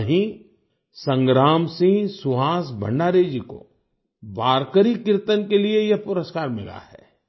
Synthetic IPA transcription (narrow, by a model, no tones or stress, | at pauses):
ɦĩ | sə̃ŋɡɾaːmsĩŋsʊɦaːsbʱə̰̃ɳɖaːɾeːd͡ʒiko̰ | baːɾkəɾikɪɾt̪ənkeliejɐpʊɾəskaːɾmɪ̰la̰ɦɛ̰ː